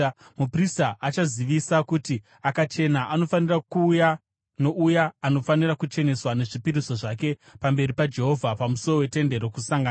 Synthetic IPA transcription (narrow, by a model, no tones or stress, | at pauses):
mupristaʔat͡ʃaziʋisakuti | akat͡ʃe̞naʔano̞fanirakuːja | no̞ʔujaːno̞fanirakut͡ʃe̞ne̞swane̞ʐipiɾiso̞ʐake̞pambe̞ripad͡ʒe̞ɦo̞vʱapamuso̞ro̞we̞te̞nde̞ɾo̞kusaŋɡaːn